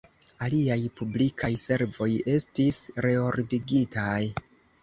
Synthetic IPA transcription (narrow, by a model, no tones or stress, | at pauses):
aliajpublikʰajse̞ɾvo̞je̞stisɾe̞o̞ɾdiɡitaj